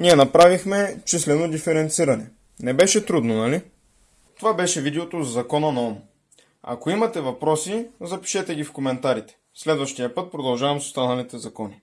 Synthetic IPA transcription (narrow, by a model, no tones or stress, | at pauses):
niɛnɐpɾavixmɛt͡ʃislɛnod̪ifɛɾɛnt̪siɾɐnɛ | nɛbɛʃɛt̪ɾud̪nonɐli | t̪ovabɛʃɛvid̪ɛot̪ozzɐkɔnɐnɔm | ɐ̰koimɐt̪ɛvɐpɾɔsizɐpi̥ʃɛt̪ɛɡʲifkomɛnt̪aɾit̪ɛ̥ | slɛd̪vɐʃt̪ijəpɤt̪̚pɾod̪ɐlˠʒavɐmso̥st̪anɐlit̪ɛzɐkɔni